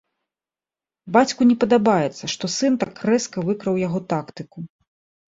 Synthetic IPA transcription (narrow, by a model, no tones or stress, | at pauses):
bat͡sʲkunʲɛpɐd̪abajɛt̪sːɐʂt̪ɔsɨnt̪akːrɛskɐvɨkɾɐwjaɣɔt̪akt̪ɨku